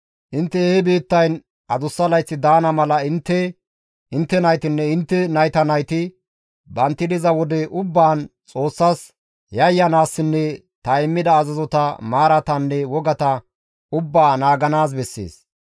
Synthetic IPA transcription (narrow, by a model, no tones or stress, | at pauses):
ʔɪnt̪ːɛehɛbiːt̪ːɐjn | ɐd̪ʊsːɐlɐjt͡sːɪd̪aːnɐmɐlɐɪnt̪ːɛ | ʔɪnt̪ːɛnɐjt̪ɪnːɛɪnt̪ːɛnɐjt̪ɐnɐjt̪ɪ | bɐnt̪ːɪd̪ɪzɐwɔd̪ɛʔʊbːaːnt͡sʼo̞ːsːas | jɐjːɐnaːsːɪnːɛ | t̪ɐɪmːɪd̪ɐːzɐzɔt̪ɐmaːɾɐt̪ɐnːɛwɔɡɐt̪ɐ | ʊbːaːnaːɡɐnaːs̬bɛsːḛːs